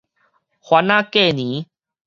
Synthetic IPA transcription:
xwa˨nãː˦keː˦˨niː˨˦

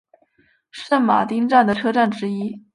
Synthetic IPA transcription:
ʂə˥˩nma̰˨˩t̪i˥ŋʈ͡ʂa˥˩nd̪ə˩ʈ͡ʂʰɤ˥ʈ͡ʂa˥˩nʈ͡ʂɻ̩˥i˥

